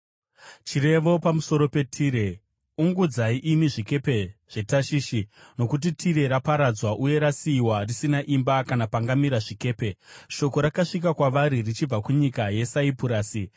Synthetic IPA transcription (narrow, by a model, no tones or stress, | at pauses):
t͡ʃiɾe̞ʋo̞pamuso̞ɾo̞pe̞tʰiːɾe̞ | uŋɡud͡zaiʔimiʐike̞pe̞ʐ̥e̞taʃiːʃino̞kut̬itʰiɾe̞ɾapaɾad͡zwaʔuje̞ɾasiːwarisinaʔimbakanapaŋɡamiɾaʐike̞ːpe̞ʃo̞ko̞ɾakaʂikakwaʋaɾirit͡ʃib͡vakuɲikaje̞saipuɾaːsi